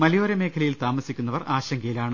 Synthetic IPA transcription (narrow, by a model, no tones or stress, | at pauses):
mɐlijo̞ːɾɐme̞ːkʰɐlɐjilt̪aːmɐsikʲːunːɐʋɐraːɕɐŋɡʰɐjilaːɳɨ